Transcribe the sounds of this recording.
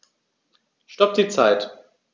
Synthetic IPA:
ʃtɔp̚d̥iːt͡saɪt

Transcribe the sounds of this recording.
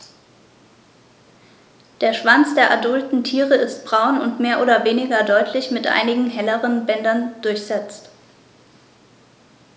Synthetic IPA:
d̥eːɐʃv̥ant͡sd̥eːɐʔadʊltn̩tʰiːʁəɪst̚b̥ʁaʊnʊntmeːɐʔoːdɐveːnɪɡɐdɔʏtʰlɪçmɪtʔa̰ɪnɪɡŋ̩ɦɛləʁənbɛndɐnd̥ʊɐçz̥ɛt͡st

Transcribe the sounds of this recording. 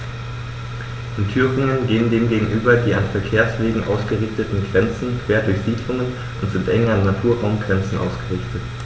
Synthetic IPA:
ʔɪntʰyːʁɪŋənɡeːənɡeːnɡeːɡŋ̩ʔyːbɐdiːanfɛɐkʰeːɐsv̥eːɡŋ̩ʔaʊsɡ̥əʁɪçtətn̩ɡʁɛnt͡sn̩kʰv̥eːɐdʊɐçz̥iːdlʊŋən | ʔʊntz̥ɪntʔɛŋɐnːatʰuːɐʁaʊmɡʁɛnt͡sn̩ʔa̰ʊsɡ̥əʁɪçtət

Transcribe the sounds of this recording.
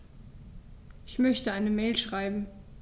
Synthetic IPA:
ʔɪçmœçtəaɪnəmɛːlʃʁ̥aɪbm̩

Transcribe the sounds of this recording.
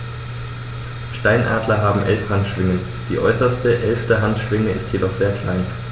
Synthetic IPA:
ʃtaɪnʔa̰ːdlɐɦaːbm̩ʔɛlfhantʃv̥ɪŋən | d̥iːʔɔ̰ʏsɐstəʔɛlftəɦantʃv̥ɪŋəɪstʰjedɔχz̥eːɐkl̥aɪn

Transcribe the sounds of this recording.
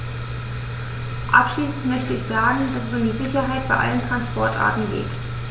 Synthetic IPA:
ʔa̰pʃliːsn̩tmœçtəɪçz̥aːɡŋ̩d̥asɛsʊmdiːzɪçɐɦaɪt̚b̥aɪʔa̰ləntʁ̥anspɔɐtʔa̰ːɐtn̩ɡḛːt

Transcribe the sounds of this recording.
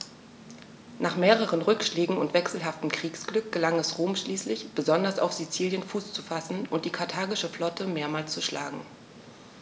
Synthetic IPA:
nʔaːχmeːʁ̞əʁ̞ənʁʏkʃlɛːɡŋ̩ʊntv̥ɛksl̩ɦaftm̩kʁ̥iːksɡ̥lʏk̚ɡ̥əlaŋɛsʁoːmʃliːslɪçb̥əzɔndɐsa̰ʊfz̥it͡siːljənfuːst͡su̥fasn̩ʊnt̚d̥iːkʰaɐtʰaːɡɪʃəflɔtʰəmeːɐmaːlst͡suʃlʔa̰ːɡŋ̩

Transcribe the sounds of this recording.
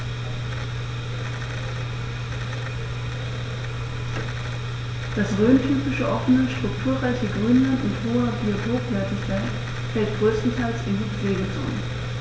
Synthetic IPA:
d̥asʁøːntʰyːpɪʃəʔɔfənəʃtʁ̥ʊktʰuːɐʁaɪçəɡʁyːnlantʊnthoːɐbiotʰoːpvœɐtəfɛɪt | fɛlt̚ɡ̥ʁøːstn̩tʰalsɪndip͡fleːɡət͡so̰ːnə

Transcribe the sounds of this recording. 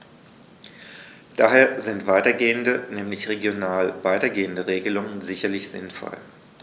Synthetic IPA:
d̥aːɦeːɐzɪntv̥aɪtɐɡeːəndənɛːmlɪçʁeɡjonaːlvaɪtɐɡeːəndəʁeːɡəlʊŋənzɪçɐlɪçz̥ɪnfɔ̰l

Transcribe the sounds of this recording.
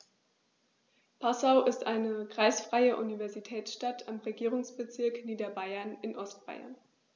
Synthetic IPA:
pʰasaʊʔɪstʔaɪnəkʁ̥aɪsfʁ̥aɪəʔunivɛɐzitʰɛːsʃtatʰamʁeɡiːʁʊŋsb̥ət͡sɪɐkniːdɐbaɪɐnɪnʔɔstb̥a̰ɪɐ̰n

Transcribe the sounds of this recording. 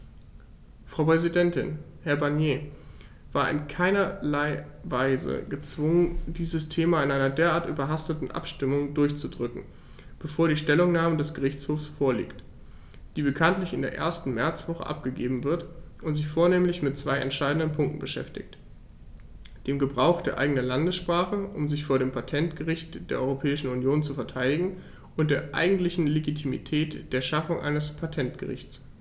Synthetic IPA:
fʁ̥ɑʊpʁ̥ɛzidɛntɪ̰n | hɛɐbaɐnjeː | v̥aːɐʔɪ̰nkʰaɪnɐlaɪvaɪzə̰ɡət͡sv̥ʊŋəndiːzəstʰeːmaɪnʔaɪnɐdeːɐʔaːɐtʔyːbɐɦastətn̩ʔa̰pʃtɪmʊŋdʊɐçt͡sudʁʏkŋ̩ | b̥əfoːɐɾiːʃtɛlʊŋnaːmədɛsɡ̥əʁɪçt͡shoːfsfoːɐlḭːkt | d̥iːbəkʰantlɪçɪndeːɐʔḛːɐstn̩mɛɐt͡sv̥ɔχə̰ʔa̰p̚ɡ̥əɡeːbm̩vɪɐtʔʊntz̥ɪçfoːɐneːmlɪçmɪt̚t͡sv̥aɪʔɛ̰ntʃaɪdn̩dənpʰʊŋk̚tn̩bəʃɛ̰ftɪ̰çt | d̥eːmɡəbʁaʊxd̥eːɐʔa̰ɪɡənɐlandəsʃpʁ̥aːχəʔʊmzɪçfoːɐɾeːmpʰatʰɛntɡ̥əʁɪçtd̥eːɐʔɔʏʁopʰɛːɪʃn̩unjoːnt͡sufɛɐtʰaɪdɪɡŋ̩ | ʊntd̥eːɐʔa̰ɪɡŋ̩tlɪçn̩leɡitʰimḭtʰɛːtd̥eːɐʃafʊŋʔa̰ɪnəspʰatʰɛntɡ̥ə̰ʁɪ̰çt͡s

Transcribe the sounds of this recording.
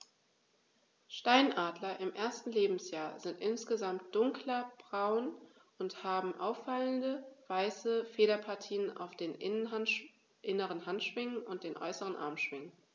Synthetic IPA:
ʃtaɪnʔaːdlɐʔɪmʔeːɐstn̩leːbm̩sjaːɐzɪntʔɪnsɡ̥əzamt̚d̥ʊŋklɐb̥ʁaʊn | ʔʊnthaːbm̩ʔaʊfːaləndəv̥aɪsəfeːɾɐpʰaɐtʰiːənʔa̰ʊfd̥eːn | ʔɪnəʁənɦantʃv̥ɪŋənʊnt̚d̥eːnʔɔ̰ʏsəʁ̞ənʔa̰ɐmʃv̥ɪŋən

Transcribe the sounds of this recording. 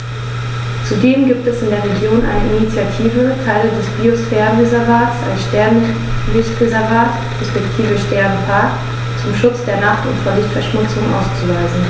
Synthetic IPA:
t͡sudeːmɡiːp̚tɛsɪndeːɐʁeɡjoːnʔa̰ɪnəʔinit͡sjatʰiːvətʰaɪlədɛsb̥iosfɛːʁənʁezɛɐvaːtsa̰ɪnʃtɛɐn | lɪçtʁezɛɐvaːt | ʁɛspɛktʰiːvəʃtɛɐnfaɐk | t͡sʊmʃʊt͡sd̥eːɐnaχtʊ̰ntfoːɐlɪçtfɛɐʃmʊt͡sʊŋʔa̰ʊst͡suvaɪzn̩

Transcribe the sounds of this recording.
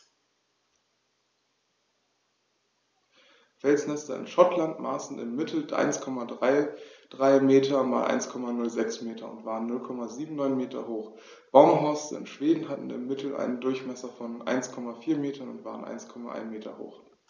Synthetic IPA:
fɛlsnɛstɐɪ̰nʃɔtlantmaːsn̩ɪ̰mːɪtʰl̩ʔa̰ɪnskʰɔmadʁaɪd̥ʁaɪmeːtʰɐma̰ːlʔa̰ɪnskʰɔmanʊlzɛksmeːtʰɐʊ̰ntv̥aːʁənːʊlkʰɔmaziːbm̩nɔʏnmeːtʰɐ̰hoːχ | b̥aʊmɦɔɐsɪ̰mʃv̥eːdn̩ɦatn̩ɪ̰mːɪtʰl̩ʔa̰ɪnəndʊɐçmɛsɐfɔnʔa̰ɪnskʰɔmafiːɐmeːtʰɐnʊntv̥a̰ːʁənʔa̰ɪnskʰɔmaʔa̰ɪnmeːtʰɐ̰ho̰ːχ

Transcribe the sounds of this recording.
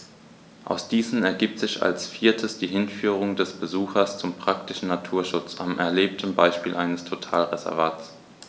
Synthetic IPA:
ʔa̰ʊsd̥iːzn̩ɛɐɡiːp̚tz̥ɪça̰lsfiːɐtʰəsd̥iːɦɪnfyːʁ̞ʊŋdɛsb̥əzuːxɐst͡sʊmpʁ̥ak̚tɪʃn̩natʰuːɐʃʊt͡sa̰mʔɛ̰ɐleːp̚tʰəmbaɪʃpiːlʔaɪnəstʰotʰaːlʁezɛ̰ɐvaːt͡s

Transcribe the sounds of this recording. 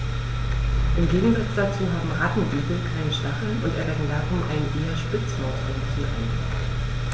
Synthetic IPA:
ʔɪmɡeːɡŋ̩zat͡sd̥at͡suːɦaːbm̩ʁatn̩ʔiːɡl̩kʰaɪnʃtaχl̩ʔʊntʔɛ̰ɐvɛdn̩daːʁʊmʔa̰ɪnʔeːɐʃpɪt͡smoːtʰɪmfuːɪ

